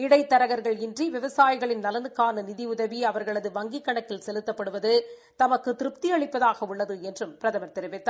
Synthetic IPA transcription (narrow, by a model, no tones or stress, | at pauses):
ɪɽɐɪt̪ːɐɾɐɣɐɾɣɐɭɪndriʋɪʋɐsaːjɪɣɐɭɪnnɐlɐnɯkːaːnɐnɪðiʊðɐʋiɐʋɐɾɣɐɭɐðɯʋɐŋɡikːɐɳɐk̪ːɪlsɛlɯt̪ːɐpːɐɽɯʋɐðɯ | t̪ɐmɐkːɯt̪ɪɾɯp̚t̪iɐɭɪpːɐðaːɣɐʊɭːɐðɯɛndrɯmpɪɾɐðɐmɐɾt̪ɛɾɯʋɪt̪ːa